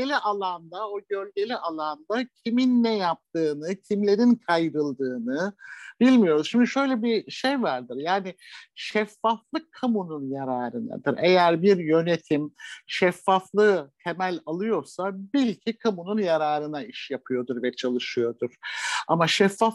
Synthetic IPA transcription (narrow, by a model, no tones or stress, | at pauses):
elʲiʔalˠand̪aoɟølʲɟe̞lʲiʔalˠand̪acʰiminːɛjap̚t̪ɯːnɯcʰimlʲe̞ɾinkʰajɾɯlˠd̪ɯːnɯb̥ilʲmijo̞ɾuz̥ʃimd̪iʃø̞jlʲɛbiʃejvaɾd̪ɯɾjaːnɪʃɛfːaflˠɯkʰːamununjaɾaːɾɯna̰d̪ɯɾe̞jæɾbiɾjø̞ne̞t̪ʰimʃɛfːaflˠɯt̪ʰemælʲalˠɯjo̞ɾsabilʲcʰikʰamununjaɾaːɾɯnaiʃjapʰɯjo̞d̪uɾvɛt͡ʃʰalˠɯʃɯjo̞d̪uɾ̥a̰maʃɛfːaf